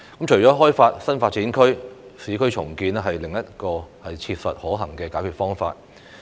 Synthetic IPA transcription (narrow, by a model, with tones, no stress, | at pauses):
kɐ˨˥mt͡ʃʰɵ˨˩jt͡sɔː˨˥ɦɔː˥jfaː˧t̚sɐ˥nfaː˧t̚t͡siː˨˥nkʰɵ˥ɥsiː˨˧kʰɵ˥ɥt͡ʃʰʊ˨˩ŋkiː˧nɛ˥ɦɐ˨jlɪ˨ŋjɐ˥t̚kɔː˧hɐ˨jt͡sʰi˧p̚sɐ˨t̚hɔː˨˥ɦɐ˨˩ŋkɛː˧kaː˨˥kʰyː˨t̚fɔː˥ŋfa̰ː˧t̚